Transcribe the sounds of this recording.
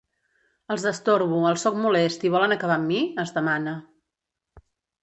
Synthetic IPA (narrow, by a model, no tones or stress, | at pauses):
əlˠzðəst̪oɾβuəlˠsɔk̚mulɛst̪iβɔlənəkəβ̞amːiəzðəmanə